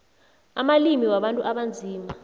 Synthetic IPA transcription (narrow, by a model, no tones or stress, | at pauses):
amalimiwaɓantʼuʔaɓand͡zʱiːma